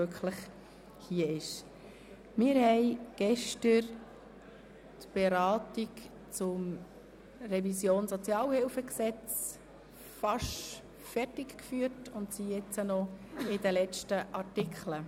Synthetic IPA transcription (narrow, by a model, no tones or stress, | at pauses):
økχləχ | hiːəɪʃ | mɪːɾhɛɪɡ̥ɛʃtəɾ | tb̥eɾɑːtik | t͡sʊm | rɛvisjoːnsɔt͡sjɑːlhɪlfəksɛt͡s | fɑʃ | fɛrtɪkkfyːəɾtʊntsijɛt͡sənɔɪdəlɛt͡ʃtəʔɑɾtɪkχlə